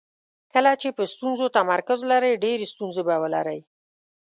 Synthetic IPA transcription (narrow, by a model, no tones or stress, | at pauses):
kəlat͡ʃepəst̪unzot̪amaɾkʊzlaɾəjɖeɾest̪unzebawəla̰ɾaj